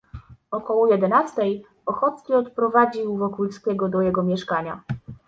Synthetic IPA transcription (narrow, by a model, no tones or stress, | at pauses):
ɔkɔwɔjɛd̪ɛnast̪ɛj | ɔxɔt̪skʲiɔt̪pɾɔvad͡ʑiwvɔkulskʲɛɡɔd̪ɔjɛɡɔmʲjɛʂkaɲa̰